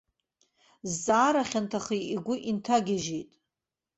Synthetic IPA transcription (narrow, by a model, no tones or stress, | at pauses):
zːaːɾaχʲantʰaχiiɡʷʊʔintʰaɡʲaʒejtʼ